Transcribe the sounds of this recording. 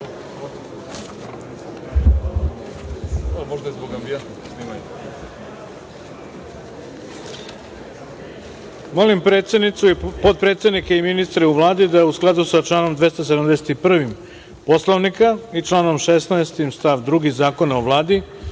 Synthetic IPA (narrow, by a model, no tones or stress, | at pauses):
moʒd̪azboɡamviat̪ | snima | molimpɾeːt̪sʲed̪nit̪suipod̪̚pɾe̞t̪sed̪nikeiminist̪ɾeuʋlˠaːd̪id̪ausklˠad̪usat͡ʃlˠaːno̞md̪ʋe̞st̪os̬ed̪amd̪e̞set̪ipr̩ʋim | po̞slˠoʋnikait͡ʃlˠaːno̞mʃesnaest̪imst̪aʋd̪ɾuɡizaːko̞naoʋlˠaːd̪i